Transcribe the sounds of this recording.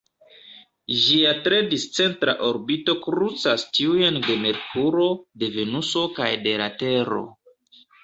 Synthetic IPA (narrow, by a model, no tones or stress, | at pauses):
ʒiatɾe̞dist͡se̞ntɾa̰ʔo̞ɾbito̞kɾut͡sastiujende̞me̞ɾkuɾo̞de̞ve̞nuso̞kajde̞ɾa̰te̞ɾo̞̰